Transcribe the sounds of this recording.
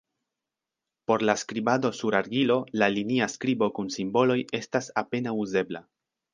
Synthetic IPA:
po̞ɾlaskɾibado̞suɾaɾɡilo̞laliniaskɾibo̞kunsimbo̞lo̞je̞stasape̞nauze̞bla̰

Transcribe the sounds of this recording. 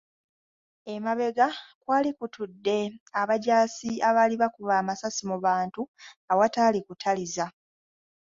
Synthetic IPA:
emaβe̞ɡakwaːlikutudːe̞aβaɟaːsiaβaliβakuβaːmasasimuβaːntuawatalikutʰaliza

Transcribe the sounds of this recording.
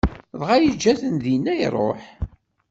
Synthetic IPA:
ðʁajəd͡ʒːæθənðinːæj̰rˤo̰ħ

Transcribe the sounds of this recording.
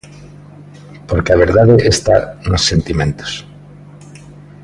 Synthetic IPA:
poɾkeaβ̞eɾðaðeʔest̪a̰nosːent̪imẽnt̪o̥s

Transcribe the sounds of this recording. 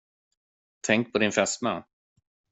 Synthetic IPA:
t̪ʰɛŋk̚pʰɔd̪ɪnfɛst̪ma̰n

